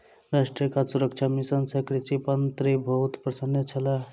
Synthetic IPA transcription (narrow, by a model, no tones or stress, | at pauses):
ɾaʂʈɾijkasuɾək̚t͡ʃʰamisənsəkɾit͡ʃipənt̪ɾibəɦut̪pɾəsənːet͡ʃʰəla